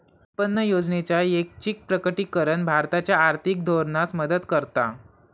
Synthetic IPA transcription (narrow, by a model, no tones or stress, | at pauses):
pənːəjod͡znet͡ɕjaek̚t͡ɕik̚pɾəkəʈikəɾəɳbʱaɾt̪at͡ɕjaːɾt̪ʰik̚d̪ʱoɾnasməd̪əd̪kəɾt̪a̰